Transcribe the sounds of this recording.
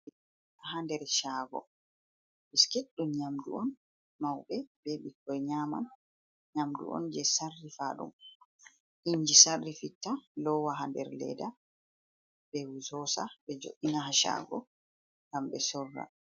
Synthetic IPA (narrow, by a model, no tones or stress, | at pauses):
aɦandɛɾʃaːɡɔ̰ | biskeɗːumɲamduɔn | mawɓɛbeɓikːɔjɲaːma̰n | ɲamdṵʔɔ̰nd͡ʒɛsarːifaɗṵm | ʔiɲd͡ʒisarːifitːalɔwaɦandɛ̰ɾlɛ̰da | bɛwuzɔsaɓɛd͡ʒo̰ʔinaɦaʃa̰ɡɔ̰ | ŋɡamɓɛsɔrːa̰